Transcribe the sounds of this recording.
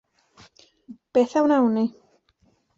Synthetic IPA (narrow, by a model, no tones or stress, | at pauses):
b̥eθawnawni